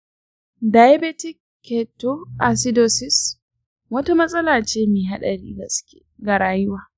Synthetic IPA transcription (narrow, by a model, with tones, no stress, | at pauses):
da˨ja˦bɛ˦tɪ˦kːe˨to˦ʔa˨sɪ˦doː˨sɪ˦s | wɐ˦ta˦mɐ˦sʼɐ˦laː˨t͡ʃeː˦meː˨ɦa˦ɗɐ˨ɾḭː˦ɡɐ̰˨sʊ̥˦kʲe̥̰ː˨ɡa˨ɾaː˦jʊ˦waː˨